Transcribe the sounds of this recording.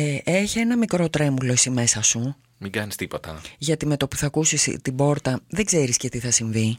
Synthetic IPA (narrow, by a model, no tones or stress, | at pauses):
eʔeçie̞nɐmikɾo̞t̪ɾe̞mulo̞isime̞sɐsu | miŋɡɐnist̪ipot̪ɐ̰ʝɐt̪ime̞t̪o̞puθɐkusist̪ibo̞ɾt̪ɐðeɡze̞ɾisce̞t̪iθɐsiɱvi